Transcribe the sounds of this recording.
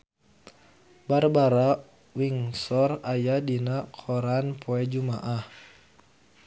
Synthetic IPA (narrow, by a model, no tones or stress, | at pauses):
baɾbaɾa | wiŋsɔrajadinakʰɔɾanpʰɔɛd͡ʒumaʔah